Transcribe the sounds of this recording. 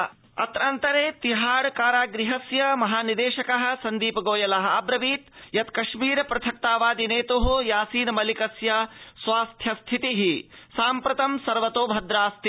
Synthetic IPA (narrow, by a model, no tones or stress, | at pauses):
ɐ̰t̪ɾant̪ɐɾeːt̪iɦaːɽkaːɾaːɡɾiɦɐsjɐmɐɦaːnid̪eːʃɐkɐɦɐ̆sɐnd̪iːpɐɡoːjɐlɐɦɐaːbɾɐbiːt̪jɐt̪kɐʃmiːɾɐpɾɐt̪ʰɐk̚t̪aːʋaːd̪ineːt̪uɦujaːsiːnɐmɐlikɐsjɐsʋaːst̪ʰjɐst̪ʰit̪iɦisaːmpɾɐt̪ɐmsɐɾʋɐt̪oːbʱɐd̪ɾaːst̪ʰi